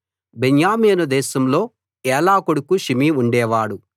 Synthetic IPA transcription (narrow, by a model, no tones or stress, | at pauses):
beɲjaːmiːnɐd̪ɛːʃɐmlo̞ː | ɛːlaːkoɽukuʃimiːuɳɖɛːʋaːɽu